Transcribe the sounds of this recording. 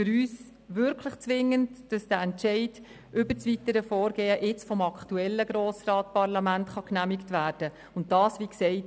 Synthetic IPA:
fʏɾyːs | ʋʏɾkʰləχt͡sʋɪŋːəntd̥ɑsd̥æɛntt͡ʃɛɪd̥ | ʔʏbəɾt͡sʋitəɾəfɔːɾɡ̥ɛːəʔɪt͡sfɔmɑkʰtuɛlːəɡɾoːsrɑːtpɑɾlɑmæntχɑknæmɪktʋæːɾd̥ə | ʊntd̥ɑːsʋiksɛɪt

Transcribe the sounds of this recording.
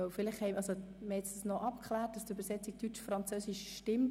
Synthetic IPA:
œʊfɪlɪχhɛɪʔɑso | məhɛtsd̥snɔʔɑpkχlæːt̚d̥ɑsdybəɾsɛt͡sik̚tyt͡ʃfɾɑnt͡søːsiʃʃtɪm

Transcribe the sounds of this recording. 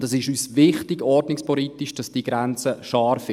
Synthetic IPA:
dɑsɪʃyːsʋɪχtɪɡɔɾdnɪkspɔlitiʃd̥ɑsd̥iɡɾɛnt͡səʃɑːɾf

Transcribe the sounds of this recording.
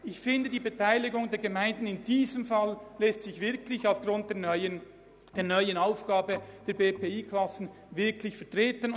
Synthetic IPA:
ʔɪçfɪndədiːbətʰaɪlɪɡʊŋdeːɐɡəmaɪndn̩ɪndiːzəmfallɛstsɪçvɪɐkʰlɪçaʊfɡ̥ʁʊnt̚deə | d̥eːɐnœʏənaʊfɡ̥aːbəd̥eːɐbeːpeːiːkʰlasn̩ | vɪɐkʰlɪçfɛɐtʁ̥eːtən

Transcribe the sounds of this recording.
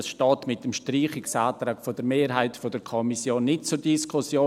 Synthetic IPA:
sʃtɔːtmɪtəmʃtriːχɪksaːtɾaːkfodəɾmeːɾɦaɪtfodəɾkʰɔmisjoːnːɪtt͡sʊɾdiskʰʊsjoː

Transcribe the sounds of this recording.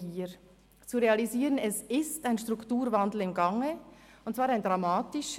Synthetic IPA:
iːɾ | t͡suʁeɑliziːɾənɛsɪstaɪnʃtʁuktuːɾvandl̩ɪmɡaŋə | ʊntt͡sv̥aːɾaɪndʁamaːtɪʃ

